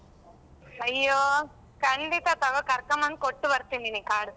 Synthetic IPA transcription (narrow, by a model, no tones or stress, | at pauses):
ɐjːoː | kɐɳɖit̪ɐt̪ɐɡokɐɾkɐmɐnd̪koʈːubɐɾt̪ininikaːɽ